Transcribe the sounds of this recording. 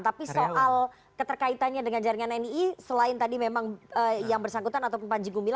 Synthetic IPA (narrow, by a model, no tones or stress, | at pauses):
t̪apisoʔal | kət̪ərkait̪anɲadəŋand͡ʒaɾiŋanɛnisəlaɪnt̪adimemaŋəjaŋbərsaŋkut̪anat̪awp̬ʊnpaɲd͡ʒiɡumil